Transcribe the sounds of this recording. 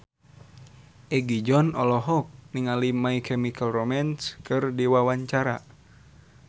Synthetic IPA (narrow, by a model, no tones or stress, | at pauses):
ʔɛɡid͡ʒɔnɔlɔɦɔk̚niŋalimaikʰɛmikalromɛnskɨrdiwawaɲt͡ʃaɾa̰